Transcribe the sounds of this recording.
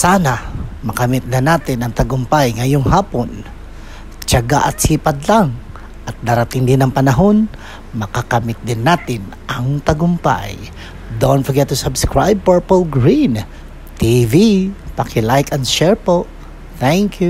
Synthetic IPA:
sanamɐkɐmɪt̪̚nɐnaːt̪ɪnɐŋt̪ɐɡʊmpajŋɐjoŋhaːpon | t͡ʃɐɡa̰ʔɐt̪̚siːpɐd̪laŋ | ʔɐt̪̚d̪aɾɐt̪ɪŋd̪ɪnɐŋpɐnɐɦo̞n | mɐkakɐmɪt̪̚d̪ɪnːaːt̪ɪn | ʔɐŋt̪ɐɡʊmpa̰j | d̪onfɐɡɛt̪usabskɹajb̚pɛɹpolɡɹin | t̪ivipɐkʰɪlajkɐnʃɛɹpo | θɛŋkju

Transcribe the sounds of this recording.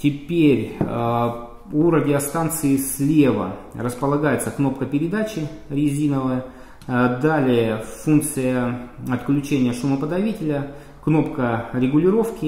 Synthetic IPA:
tʲɪpʲeɾʲ | uɾədʲɪɐst̪ant̪sɨɪsʲlʲevə̰rəspəlˠɐɡajɪt̪səkno̞pkəpʲɪɾʲɪd̪at͡ɕɪɾʲɪzʲinəvəjə | d̪alʲɪjəfunk̚t̪sɨjəɐt̪klʲʉt͡ɕenʲɪjəʂʊməpəd̪ɐvʲitʲɪlʲə | kno̞pkəɾʲɪɡʊlʲɪɾo̞fkʲɪ

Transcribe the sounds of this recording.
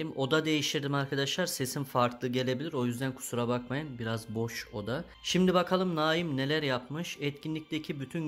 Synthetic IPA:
mo̞d̪ad̪e̞jiʃt̪ʰiɾd̪imaɾkʰad̪aʃlˠaɾse̞simfaɾklˠɯɟe̞lʲe̞bilʲiɾo̞jyzd̪ænkʰu̥suɾabakmajɯnbiɾazbo̞ʃo̞d̪a | ʃimd̪ibakʰalˠɯmnaːjimne̞lʲæɾjapmɯʃɛt̪cʲʰinlʲic̚d̪ecʰibyt̪ʰyn

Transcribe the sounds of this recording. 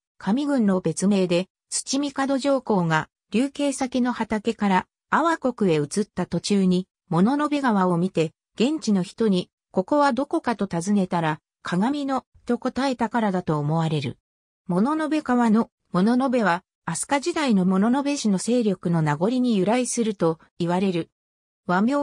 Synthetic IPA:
kʰamʲiɡɯ̟̃nːo̞be̞t͡sɨme̞ːd̪e̞ | t͡sɨ̥t͡ɕimʲikad̪o̞ʑo̞ːko̞ːŋa | ɾʲɨːke̞ːsakʲino̞hat̪ake̞kaɾaː | βako̞kɯ̟e̞ɯ̟t͡sɨt̪ːat̪o̞t͡ɕɨːɲ̟i | mo̞no̞no̞be̞ɡaβaomʲit̪e̞ | ɡ̥ẽ̞ɲ̟t͡ɕino̞çi̥t̪o̞ɲ̟i | ko̞ko̞βad̪o̞ko̞kat̪o̞t̪azɨne̞t̪aɾa | kʰaɡamʲino̞ | t̪o̞ko̞t̪ae̞t̪akaɾad̪at̪o̞ːmo̞βaɾe̞ɾɯ̟ | mo̞no̞no̞be̞kaβano̞ | mo̞no̞no̞be̞βa | asɨ̥kaʑid̪aino̞mo̞no̞no̞be̞ɕino̞se̞ːɾʲjo̞kɯ̟no̞naɡo̞ɾʲiɲ̟ijɯ̟ɾaisɨɾɯ̟t̪o̞ | iβaɾe̞ɾɯ̟ | βamʲjoː

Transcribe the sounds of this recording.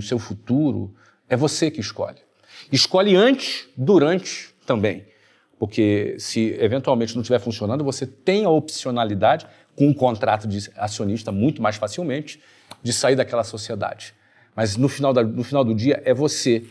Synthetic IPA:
ʊsewfut̪uɾʊ̰ | ɛvosekɪɪskɔ̰ʎɪ | ɪskɔʎɪɐ̃nt͡ʃɪ̥sd̪uɾɐ̃nt͡ʃɪ̥t̪ɐ̃mbẽj̃ | poɾkesɪevẽnt̪uawmẽnt͡ʃɪnɐ̃t͡ʃivɛɾfũsionɐ̃nd̪ʊvoset̪ẽj̃ɐopsionalid̪ad͡ʒɪ | kõũkõnt̪ɾat̪ʊd͡ʒɪasiõniʃt̪ɐmũj̃t̪ʊmajsfasiwmẽnt͡ʃɪ̥ | d͡ʒɪsaiɾd̪ɐkɛlɐsosied̪a̰d͡ʒɪ | mɐznʊfinawd̪ɐnʊfinawd̪ʊd͡ʒiɐʔɛvose

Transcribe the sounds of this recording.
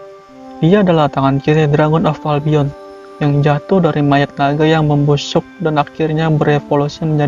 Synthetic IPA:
diaːdalaht̪aŋankiɾedɾaŋɔnɔfalbiɔn | jaŋd͡ʒat̪ʊhdaɾimajɛt̪̚naɡajaŋməmbusʊk̚danakɪrɲabəɾefolusiməɲd͡ʒa

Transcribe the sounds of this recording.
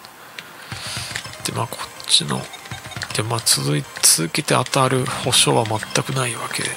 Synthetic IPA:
d̪̥emakʰo̞̥t͡ɕino̞̰d̪̥emaːt͡sɨzɨit͡sɨzɨke̞t̪ea̰t̪aɾɯ̟ho̞ɕo̞βamat̪ːakɯ̟naiβake̞̰d̪e

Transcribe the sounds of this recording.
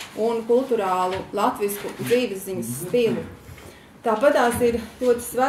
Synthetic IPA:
unkulˠt̪uɾaːlˠulˠat̪ʋiskud̪ziːʋɛsːiɲəsːfilˠu | t̪aːpat̪aːsiɾlʲuɔt̪i̥sva

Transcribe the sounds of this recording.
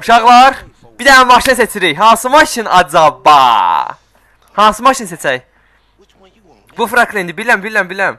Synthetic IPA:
uʃɑʁlˠɑɾ | bid̪æmɑʃinɯset͡ʃʰiɾijɦɑnsɯmɑʃinɑd͡ʒɑbɑ̰ | hɑnsɯmɑʃinset͡ʃʰæj | bufɾaklˠind̪ibilæmbilʲæmbilʲæm

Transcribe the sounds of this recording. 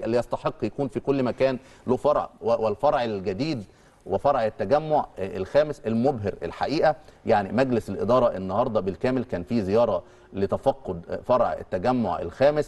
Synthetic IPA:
lːijɑsˤt̪ɑħeqːjækuːnfikolːmækæːn | loːfɑɾˤʕwelfɑɾˤʕelɡæd̪iːd̪ | wefɑɾˤʕet̪ːæɡæmːoʕelxæːmɪselmobɦɪɾḛlħaʔiːʔæjaʕnimæɡlɪselʔḛd̪ɑːɾˤɑʔenːɑhɑɾˤd̪ˤɑbelkæːmelkæːnfiːzejɑːɾˤɑ | let̪æfɑqːod̪fɑɾˤʕḛt̪ːæɡæmːo̰ʕḛlxæːmɪs

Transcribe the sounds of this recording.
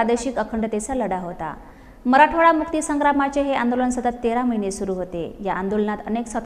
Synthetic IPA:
ad̪əɕiːkəkʰəɳɖət̪et͡saləɽaɦot̪a̰ | məɾaʈʰoɭamuk̚t̪iːsəŋɡɾamat͡ɕeɦeand̪olənsət̪ət̪ːeɾaməɦinesuɾuːɦot̪ḛjaʔand̪olənat̪əneksət̪

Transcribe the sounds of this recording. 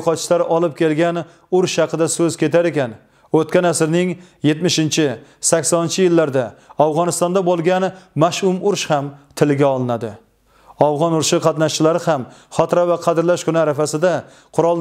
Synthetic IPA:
qɒt̪t͡ʃlaɾɒlˠɪp̚kʲʰe̞lɡʲan | ʊɾʃhɑqʰɨd̪asɵz̥kʲe̞t̪ʰaɾe̞kʲan | ot̪kʲanasɪɾnɪŋ | je̞t̪mɪʃɪnt͡ʃʰɪsakʲsɒnɪnt͡ʃʰɪjɪlːaɾd̪aawʁɒnɪst̪ɒnd̪abolˠɡʲanmaʃʊmʊɾʃhamt̪ʰɪlɪɡʲaɒlˠɪnad̪ɪ̰ | awʁɒnʊɾʃɪqʰɑt̪naʃt͡ʃɪlaɾɪhamχɒt̪ɾavaqʰɑd̪ɪɾlaʃkʰʊnɪaɾafasɪd̪a | qʰʊɾɒlˠ

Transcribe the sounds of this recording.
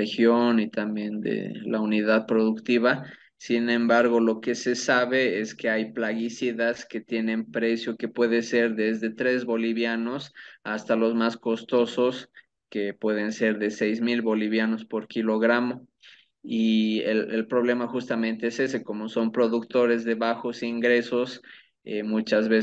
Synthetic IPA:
exjonit̪ambje̞nd̪ḛlauniðaðpɾo̞ðukt̪iβa | sinẽ̞mbaɾɣo̞lo̞ke̞se̞saβe̞e̞ske̞ajplaɣisiðaske̞t̪je̞nẽ̞mpɾe̞sjo̞ke̞pwe̞ðese̞ɾðe̞zðe̞t̪ɾe̞zβo̞liβjano̞sast̪alo̞zmasko̞st̪o̞so̞s | ke̞pwe̞ð̞e̞nse̞ɾðe̞sejzmilβo̞liβ̞jano̞spo̞ɾkilo̞ɣɾamo̞ | ielelpɾo̞β̞le̞maxust̪amẽnt̪e̞ese̞s̬e̞ko̞mo̞so̞mpɾo̞ðukt̪o̞ɾe̞zðe̞βaxo̞siŋɡɾe̞so̞s | emut͡ʃazβe

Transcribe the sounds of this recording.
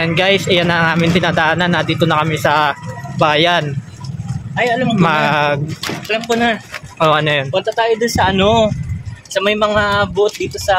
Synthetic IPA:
anɡajsʔɪjanɐŋaːmɪnt̪ɪnaːd̪ɐʔaːnanːɐd̪iːt̪onɐkɐmɛsɐbaːjan | ʔɐjɐlɐmmɐɡ̚ɐlɐmpʊnɐʔoʔɐnojonpɐt̪ɐt̪aːjod̪ʊnsɐʔɐno̞ | sɐmɐjmɐŋabʊʔot̪̚d̪iːt̪o̞sɐ

